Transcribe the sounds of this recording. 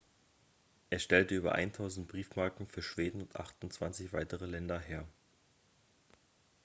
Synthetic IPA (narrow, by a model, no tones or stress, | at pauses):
ʔeːɐʃtɛltəyːbɐ̰ʔa̰ɪntʰaʊzn̩tb̥ʁiːfmaɐkŋ̩fyːɐʃv̥eːdn̩ʊntʔa̰χtʊntt͡sv̥ant͡sɪçv̥aɪtəʁəlɛndɐɦeːɐ